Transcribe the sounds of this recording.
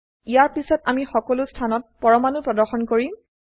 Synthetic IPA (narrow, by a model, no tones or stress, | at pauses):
ijaɹpisɔtamixɔkɔlʊstʰanɔt̚pɔɹɔmanʊpɹɔdɔɹxɔnkoɹi